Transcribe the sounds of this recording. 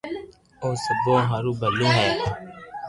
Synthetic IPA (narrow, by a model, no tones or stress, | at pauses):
õːsəbõːɦaːɾuːbəliːɦɛː